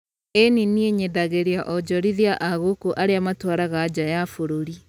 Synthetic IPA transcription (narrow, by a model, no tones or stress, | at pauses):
eninieɲedaɣeɾeaʔɔd͡ʒɔɾiðiaʔaɣokoʔaɾeamatwaɾaɣad͡ʑajafoɾoɾi